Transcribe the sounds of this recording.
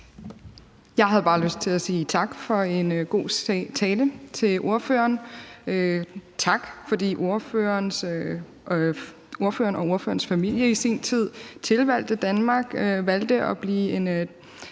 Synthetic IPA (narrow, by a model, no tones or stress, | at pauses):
jɑ̈ɪɦæð̞ˠb̥ɑ̈ːløsd̥̚t͡sʰe̝læsiːt͡sʰɑ̈ɡ̥fɒ̽e̝nɡ̥o̝̰ːt͡sʰɛːlət͡sʰe̝lʔo̝ɐfø̰ɐn | t͡sʰɑ̈ɡ̥fɒ̽d̥ḭːʔo̝ɐføɐns | o̝ɐføːɐnɒ̽o̝ɐfø̰ɐn̩sfæmil̰jəisint͡sʰið̰ˠt͡sʰe̝lʋæl̰d̥əd̥ænmɑ̈ːɡ̥ʋæl̰d̥əʔɒ̽b̥liːe̝n